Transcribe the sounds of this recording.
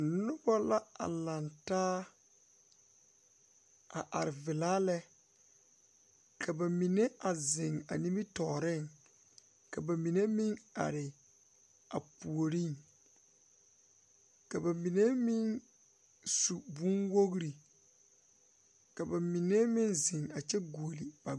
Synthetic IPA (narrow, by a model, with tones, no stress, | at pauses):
nʊ˦bɔ˦la˦a̰˨lã˨ntaː˦ | a̰˨ʔa̰˨ɾɪ˨vɪ˨laː˦lɛ˦ | kʰa˨ba˨mi˨ne˦a˨zɪ˨ŋa̰˨ni˦mi˦tɔː˨ɾɪ˦˨ŋ | ka˨ba˨mi˨ne˦mĩ˦ŋa̰˨ɾɪ˨ | a˨pu˨o˨ɾi˦˨ŋ | ka˨ba˨mi˨ne˦mɪ˦n | su˨bũ˦nwo˦ɣɾi˨ | ka˨ba˨mi˨ne˦mɪ˦nzɪ˨ŋa˨t͡ʃɛ˦ɡu˨o˨li˨b̥a˨